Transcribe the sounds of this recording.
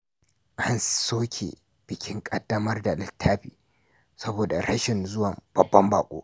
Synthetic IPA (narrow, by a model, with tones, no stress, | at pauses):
ʔa˦nsoː˦kʲʰḛ˨ | b̥ɪ˨kʲɪ˦ŋkʼɐ˦dːɐ˦mɐ˦rda˨lɪ˨tʰːaː˦ɸiː˨ | sɐ˦boː˨da̰˨ɽɐ˦ʃɪ˨nzʊ˦wɐ˨mb̥ɐ˨bːɐ˦mbaː˨kʷʼo̰ː˦